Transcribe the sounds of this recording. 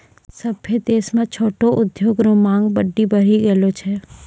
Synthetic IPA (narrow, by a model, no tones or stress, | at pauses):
sɐbpʰid̪eːsmẽt͡ʃʰoːʈoʔʊd̪joːɡɾõmãːŋɡbəɖːibəɽ̤iɡelot͡ʃʰɛː